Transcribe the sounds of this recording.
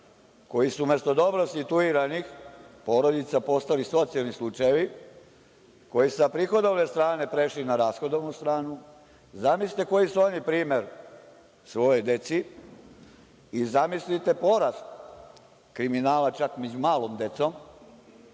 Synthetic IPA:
ko̞jisume̞st̪o̞d̪o̞bɾo̞sit̪uiɾanixpo̞ɾo̞d̪it̪sapo̞st̪aliso̞t̪sialnislut͡ʃajeʋi | ko̞jisapɾixo̞d̪o̞ʋne̞st̪ɾaːne̞pɾe̞ʃlinaɾaːsxo̞d̪oʋnust̪ɾaːnu | zamislit̪e̞ko̞jisuonipɾiːme̞ɾ | sʋo̞jojd̪e̞t̪si | izamislit̪e̞po̞ɾast̪ | kɾiminaːlat͡ʃakme̞d͡ʒumaːlo̞md̪e̞t̪som

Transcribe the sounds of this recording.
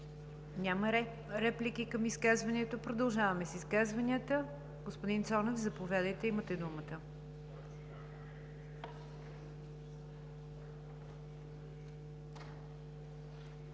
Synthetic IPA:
nʲamə | ɾɛplikikəmiskazvɐnɛt̪opɾod̪ɐlˠʒavɐmɛsiskazvɐnʲiət̪ə | ɡospod̪int̪sɔnofzɐpovʲjad̪əjt̪ɛimət̪ɛd̪umət̪ə

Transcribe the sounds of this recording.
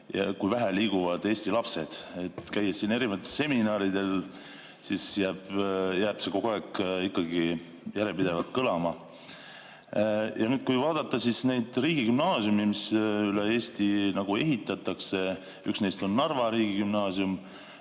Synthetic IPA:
jɑkujvæɦæliːɡ̥uvɑd̪̥e̞ːst̪ilɑpse̞d̪̥e̞t̪kæjːesiːne̞ɾivɑt̪ːˑelse̞minɑːɾid̪e̞l | sisjæːb̥jæːb̥se̞ko̞ɡoækːikːɑɡi | jæɾepid̪̥e̞vɑlt̪̚kɤlɑmɑ | jɑnyːd̪̥̚kujvɑːd̪̥ɑt̪ˑːɑsisne̞jd̪̥riːɡ̥ikymnɑːsiumimisylee̞ːst̪inɑɡ̥ue̞ɦit̪ːˑɑt̪ˑːɑkse̞ | yksnejst̪o̞nːɑrvɑɾiːɡ̥ikymnɑːsium

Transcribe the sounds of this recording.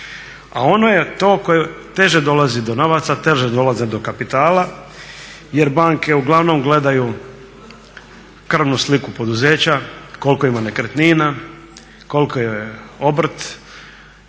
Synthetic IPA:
a̰o̞no̞jet̪o̞ːko̞jet̪e̞ʒed̪o̞lazid̪o̞no̞ʋat̪sat̪e̞ʒed̪o̞lˠazed̪o̞kapit̪aːla | jeɾbaŋke̞uɡlˠaʋno̞mɡle̞d̪aju | kr̩ʋnuslikupo̞d̪uzeːt͡ɕako̞lkoimanekɾet̪nina | ko̞lkojejeo̞br̩t̪

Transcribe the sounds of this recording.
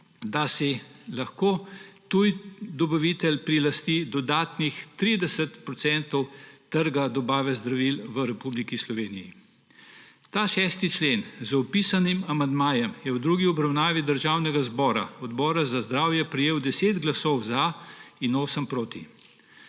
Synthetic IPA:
d̪asɛlaxkoːt̪ujd̪ɔbaʋit̪ɛlpɾilast̪id̪ɔd̪aːt̪nixt̪ɾid̪ɛsət̪pɾɔt̪sɛnt̪ɔwt̪əɾɡad̪ɔbaːʋɛzd̪ɾaʋilʋəɾɛpublikislɔʋeːnijḭ | t̪aːʃɛːst̪it͡ʃleːnzɔpisanimamand̪maːjɛmjɛwd̪ɾuːɡiɔbɾawnaːʋid̪əɾʒaːwnɛɡazbɔːɾa̰ɔd̪bɔːɾazazd̪ɾaːwjɛpɾɛjeːwd̪ɛseːd̪ɡlasɔwzainoːsəmpɾoːt̪i

